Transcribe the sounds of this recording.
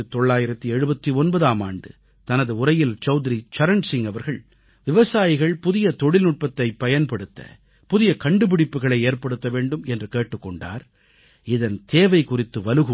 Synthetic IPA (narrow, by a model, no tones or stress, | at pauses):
ɯt̪ɔɭːaːjɪɾɐt̪ːiɛɻɯbɐt̪ːiɔnbɐðaːmaːɳɖɯ̰ | t̪ɐnɐðɯʊrɐjɪlt͡ʃɐʊt̪ɪɾit͡ʃɐɾɐɳɖsɪŋɐʋɐɾɣɐɭ | ʋɪʋɐsaːjɪɣɐɭpʊðɪjɐt̪ɔɽɪlnʊʈ̚pɐt̪ːɐɪpːɐjɐnpɐɽɯt̪ːɐ̰ | pʊðɪjɐkɐɳɖɯpɪɽɪpːɯɣɐɭɐɪeːɾpɐɽɯt̪ːɐʋeːɳɖɯmɛndrɯkeːʈːɯkːɔɳɖa̰ːɾ | ɪðɐnt̪eːʋɐɪkʊrɪt̪ːɯʋɐlɯɣɯ